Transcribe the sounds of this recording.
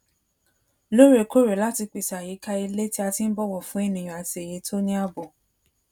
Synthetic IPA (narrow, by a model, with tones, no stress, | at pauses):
lo˦ɾe˨ko˦ɾe˨la˦ti˧k͡pi˨sa˨ji˨˦ka˧i˧le˦ti˦a˧ti˦n̩˦bɔ˦wɔ˦˨fũ˨˦e˦˨nĩ˨ɔ̃˨a˨ti˨e˨je˨˦tʰo˦nĩ˦a˦bɔ˨